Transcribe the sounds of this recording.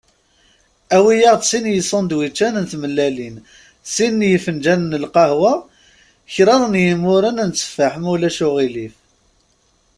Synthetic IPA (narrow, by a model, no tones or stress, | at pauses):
æwijəʁt͡ssinjəsˤənd̪wit͡ʃːænənt̪məlːælin | sinːjəfənd͡ʒænnəlqɑhwæ | çɾˤɑɾˤnjəmʊɾənnt͡sːə̥faħmæwlæʃʊʁilif